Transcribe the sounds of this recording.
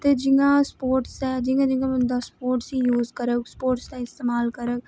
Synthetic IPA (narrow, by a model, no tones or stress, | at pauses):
t̪ed͡ʒɪŋɡãspoːɾʈsɛd͡ʒɪ̃ŋɡãd͡ʒɪ̃ŋɡãmənd̪ɐspoːɾʈsijuːzkɐɾəkspoːɾʈst̪aɪst̪eːmaːlkɐɾək